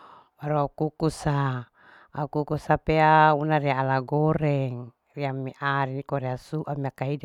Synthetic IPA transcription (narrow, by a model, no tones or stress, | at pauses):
maɾoakukusa | akukusapeaunaɾiaːlaɡoɾɛŋ | riamiʔaɾinikoɾiasuʔamiakaɦid